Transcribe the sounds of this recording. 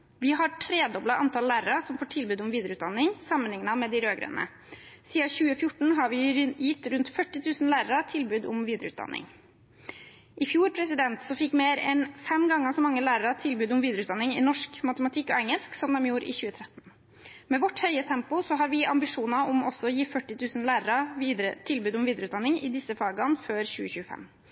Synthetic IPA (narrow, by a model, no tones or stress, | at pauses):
ʋɪɦɑɾʈʰɾeːd̪ɔblɑʔɑnt̪ʰɑllæːɾəɾɑsɔmfoːʈʰɪlbʉːd̪ʊmʋiːd̪əɾəʉːt̪d̪ɑnːɪŋsɑmːənlɪŋnɑmɛːd̪ɪɾøːɡɾə̰ːnə̰ | siːɑçʉːəfjʊʈɳ̩ɦɑɾʋɪjɪt̪ːɾʉnt̪fœʈːɪt̪ʰʉːsn̩læːɾəɾɑt̪ʰɪlbʉːd̪ʊmʋiːd̪əɾəʉːt̪d̪ɑ̰nʔɪ̰ŋ | ʔɪfjuːɾpʰɾɛsɪd̪ɛnt̪sɔfɪkːmeːɾɛ̰nfɛmɡɑŋːəsɔmɑŋːəlæːɾəɾɑt̪ʰɪlbʉːd̪ʊmʋiːd̪ɾʉːt̪d̪ɑnɪŋɪ̰nɔʂkmɑt̪əmɑt̪ʰɪkːɔ̰ɛŋːəlsksɔmd̪ɛmjuːɾɪ̰çʉːət̪ʰɾɛt̪n | meːʋɔʈhœʏət̪ʰɛmpʊsɔɦɑɾʋɪʔɑmbɪʂuːnɑʔʊmɔsɔɔjiːfœʈːɪt̪ʰʉːsən̩læːɾəɾɑʋiːd̪ɾət̪ʰɪlbʉːd̪ʊmʋiːd̪ɾʉːd̪ɑnːɪŋɪ̰d̪ɪsːəfɑːɡɑnføːɾçʉːəçʉːəfɛ̰mː